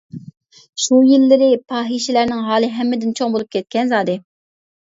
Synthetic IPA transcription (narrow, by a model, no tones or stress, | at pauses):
ʃujilːɪɾɪpʰɑːɦiʃɪlæɾnɪŋɦɑːlˠɨɦɛmːɪd̪ɪnt͡ʃʰoŋbolˠup̚kʲʰɛt̪̚kʲɛnzɑːd̪ɨ